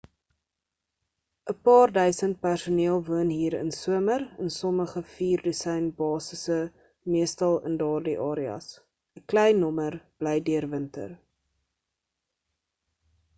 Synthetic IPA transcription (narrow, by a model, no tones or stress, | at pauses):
ʔəpɑːrdœɥsənt̚pærsuniəlˠvuənɦiːɾə̰nsuəmərənsɔməχəfiːrdəsɛjnbɑːsəsə | miəstɐlˠə̰ndɑːrdiʔɑːɾiɐ̰s | əklɛjnːɔmərb̥lɛjdyərvəntə̰r